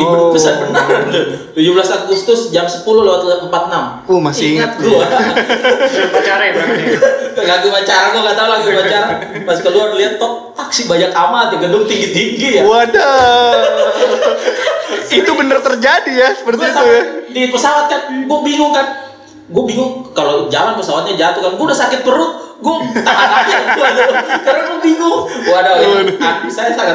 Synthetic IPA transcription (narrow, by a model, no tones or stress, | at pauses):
ibəsarbənart̪t̪ud͡ʒublasaɡʊst̪ʊsd͡ʒamsəpulʊlewat̪̚liat̪̚əmpat̪̚ənam | omasɪiŋat̪̚lua | bat͡ʃaɾaa | laɡumat͡ʃaɾanalat̪alaɡumat͡ʃaɾan | masɪkaluarəliat̪ːɔt̚ː | aksibaɲakamak̪aɡədʊŋt̪iŋɡɪt̪̚iŋɡijaada | sit̪ubənərt̪ərd͡ʒadijasə̥pərt̪iast̪ujadipəsawat̪̚kanɡuabiŋʊŋkan | ɡuabiŋʊŋkalod͡ʒalanpəsawat̪̚ɲad͡ʒat̪ʊkanɡuaudasakɪt̪̚pəɾʊt̪̚ | ɡuat̪aʔajaadkaɾaŋlabiŋʊŋ | wadaaamisajasaka